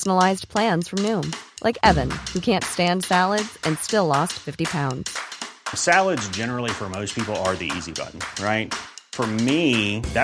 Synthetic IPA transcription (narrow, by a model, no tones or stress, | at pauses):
sn̩əl̩aɪzpʰl̥æ̃nz̥fɹʌ̃mnʉ̃mlʔa̰ɪkɛvɨ̃nhʉkʰæ̃ntstæ̃nd̥sælˠədz̥ɨ̃nstɪlˠɔstfɪftipʰãʊ̃ndz̥sælˠədzd͡ʒɛnə˞l̩ˠifə˞moʊspʰipl̩ˠə˞ðḭḭzibʌ̰ʔn̩ɹaɪt̚fə˞miðæ